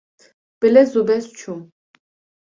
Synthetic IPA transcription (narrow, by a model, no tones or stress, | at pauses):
b̥ɛlɛzubɛst͡ʃʰum